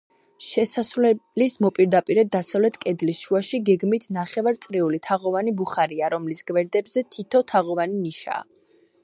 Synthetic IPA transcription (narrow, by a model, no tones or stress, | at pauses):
ʃɛsasɾlɛlismɔpʼiɾd̪apʼiɾɛd̪ːasavlɛt̪ʰkʼɛd̪lisʃuaʃiɡɛɡmit̪ʰnaχɛvaɾt̪sʼɾiulit̪ʰaʁɔvanibuχaɾiaɾɔmlisɡ̥vɛɾd̪ɛbzɛt̪ʰit̪ʰɔt̪ʰaʁɔvaniniʃa̰ː